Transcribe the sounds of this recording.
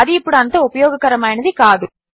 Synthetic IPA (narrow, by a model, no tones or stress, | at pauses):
ɐðɯɪpːɐɽɯɐnt̪ːɐʊpɐjoːɣɐkːɐɾɐmaːjɪnɐðɯkaːðɯ